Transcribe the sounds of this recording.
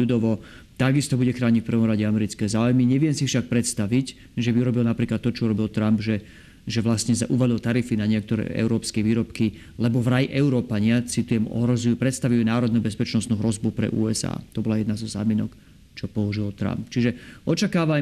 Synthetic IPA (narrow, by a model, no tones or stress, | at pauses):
ud̪ɔʋɔ | t̪aɡist̪ɔbuɟɛxɾaːɲicfpr̩ʋɔmɾaɟɛamɛɾit͡skɛːzaːujmiɲɛʋɪɛmsifʃak̚pɾɛt̪st̪aʋic | ʒɛbiuɾɔbilnapɾiːklat̪ːɔt͡ʃɔɾɔbilt̪ɾambʒɛ | ʒɛʋlast̪ɲɛzaʔuʋalilt̪aɾifinaɲɪɛkt̪ɔɾɛ̰ːʔɛ̰ʊɾɔːpskɛʋiːɾɔpki | lɛbɔvɾajiʔɛʊɾɔːpaɲɪat͡sit̪ujɛmɔ̰ɦɾɔzujupɾɛt̪st̪aʋujunaːɾɔd̪nubɛspɛt͡ʃnɔst̪nuɦɾɔzbupɾɛ̰ʔṵːɛza̰ːt̪ɔbɔlajɛd̪nazɔza̰ːminɔk | t͡ʃɔpɔuʒilt̪ɾa̰mpt͡ʃiʒɛɔt͡ʃakaːʋa